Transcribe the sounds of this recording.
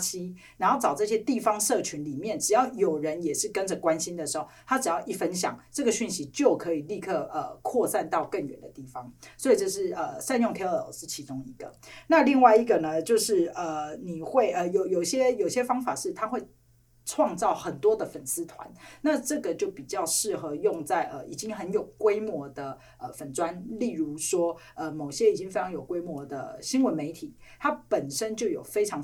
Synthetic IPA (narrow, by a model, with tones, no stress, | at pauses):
t͡ɕʰi˥ | ɻa˧˥nxo˥˩ʊʈ͡ʂɑ˨˩ʊt͡sɤ˥˧ɕjɛ˦˥t̪i˥˩fɑ˥ŋʂɤ˥˨t͡ɕʰy˧˦nli˨˩mjɛ˥˩nʈ͡ʂɻ̩˨˩jɑ˥˩ʊjo˨˩ʊɻə˧˦njɛ˨˩ʂɻ̩˥˩kə˦nd͡zə˨kwa˦˥nɕi˥nd̪ə˨ʂɻ̩˧˥xo˥˩ʊt̪ʰa˥ʈ͡ʂɻ̩˨˩jɑ˥˧ʊʔi˥˩fə˦nɕ̬jɑ̰˨˩˦ŋʈ͡ʂɤ˥˩ɡə˩ɕy˥˩nɕi˧˥˦t͡ɕjo˥˩ʊkʰɤ˨˧˥i˨˩li˥˧kʰɤ˥˧ə˩kʰwɔ˥˧sa˥˧nt̪ɑ˥˧ʊkə˥˩nɥɛ̰˨˩nd̪ə̰˨˦t̪i˥˩fɑ˦ŋswɔ˧˥i˨˩ʈ͡ʂo˥˧ʂɻ̩˥˩ə˩sa˥˧njo˥˧ŋt̪ʰe˥ə̰˨˩˦ʂɻ̩˥˩t͡ɕʰi˧˥t͡sʊ˥ŋi˧˥ɡ̥ə̰˨na˥˧li˥˧ŋwa˥˩ɪi˧˥ɡə˨nə˩t͡ɕjo˥˧ʊʂɻ̩˥˩ə˩ni˨˩xwe˥˩ɪʔə˩jo˨˧˦ʊjo˨˩ʊɕjɛ˦˥jo˨˩ʊɕjɛ˥fɑ˥ŋfa̰˨˩ʂɻ̩˥˩t̪ʰa˥xwe˥˩ɪ | ʈ͡ʂʰwɑ˥˧ŋt͡sɑ˥˩ʊxə˨˩nt̪wɔ˥d̪ə˨fə˨˩ns̩˥t̪ʰwa̰˧˦nna˥˧ʈ͡ʂɤ˥˩ɡə˩t͡ɕjo˥˩ʊpi˨˩t͡ɕjɑ˥˧ʊʂɻ̩˥˩xɤ˧˦jʊ˥˧ŋt͡sa˥˩ɪʔə˨ʔi˨˩t͡ɕi˦˥ŋxə˧˦njo˨˩ʊkwe˥ɪmwɔ˧˥˦d̪ə˨ | ʔə˨fə˨˩nt͡swa˦nli˥˩ɻu˧˥ʂwɔ˥ | ə˧mo˨˩ɕjɛ˦˥i˨˩t͡ɕi˥ŋfe˥ɪɑ˧˥ŋjo˨˩ʊkwe˥ɪmwɔ˧˥d̪ə̰˧˨ɕi˥nwə˧˦nme˧˥ɪt̪ʰi˨˩˦t̪ʰa˥pə˨˩nʂə˦˥nt͡ɕjo˥˩ʊjo̰˨˩ʊfe˥ɪʈ͡ʂʰɑ˧˦ŋ